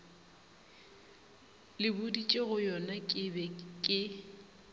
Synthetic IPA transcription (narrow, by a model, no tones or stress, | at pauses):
lɪbʊdit͡ʃʼeɣʊjɔnakʼɪbɛkʼɪ